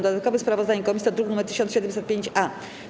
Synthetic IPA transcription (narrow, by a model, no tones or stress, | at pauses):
d̪ɔd̪at̪̚kɔvɘspɾavɔzd̪aɲɛkɔmʲisʲt̪ɔd̪ɾuknumɛɾt̪ɘ̥ɕɔnɕɛd̪ɛmsɛt̪̚pʲjeɲt͡ɕa